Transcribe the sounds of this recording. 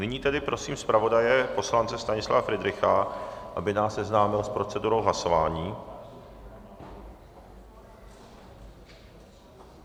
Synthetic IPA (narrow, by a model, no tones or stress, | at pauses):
nɪɲiːt̪ɛdɪpɾo̞siːmspɾavo̞dajɛpo̞slant͡sɛst̪aɲɪsla̰vafɾɪd̪ɾɪxaʔabɪnaːssɛznaːmɪlspɾo̞t͡sɛduɾo̞wɦlaso̞vaːɲiː